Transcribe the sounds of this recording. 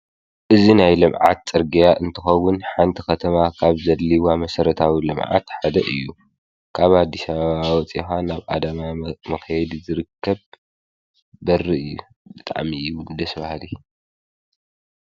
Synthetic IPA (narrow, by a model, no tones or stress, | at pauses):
ʔɨzinajlɨmʕa̰t̪̚t͡sʼɨɾɡijaʔɨnt̪ʰɨxɐwːʊnħant̪ʰikɐt̪ʰɐmakʰaβzɐliwamɐsɐɾɐt̪ʰawilɨmʕa̰t̪ħad̪ɐʔɨjːu | kʰaβad̪ːisaβaβawɔt͡sʼixanaβʔa̰d̪ɐmamɐxjɛd̪izɨɾɨkʰːɐβ | bɐrːiɨjːu | bɨt̪ʼa̰ʕmiud̪ɐsbahli